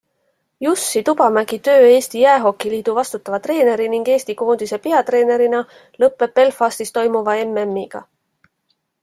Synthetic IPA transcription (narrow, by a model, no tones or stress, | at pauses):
jusːit̪ub̥ɑmæɡ̥it̪ø̞ːe̞ːst̪ijæeɦo̞kːˑiliːd̪̥uvɑst̪ut̪ːˑɑvɑt̪re̞ːne̞ɾiniŋɡ̥e̞ːst̪iko̞ːnd̪̥ise̞peɑt̪re̞ːne̞ɾinɑ | lɤpːˑe̞pːe̞lfɑst̪ist̪o̞jmuvɑe̞memːiɡ̥ɑ̰